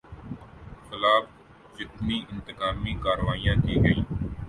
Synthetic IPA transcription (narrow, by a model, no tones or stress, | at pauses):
xɪlaːp | d͡ʒɪt̪miːʔɪ̃nt̪ɪkaːmiːkaːɾʋaːijãːkiːɡəiː